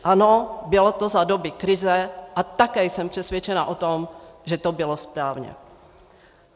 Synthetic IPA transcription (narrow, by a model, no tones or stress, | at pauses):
ʔanobɪlot̪ozadobɪkɾɪzɛʔat̪akɛːjsɛmpr̝̥ɛsvjɛt͡ʃɛnaʔot̪omʒɛt̪obɪlospɾaːvɲɛ̰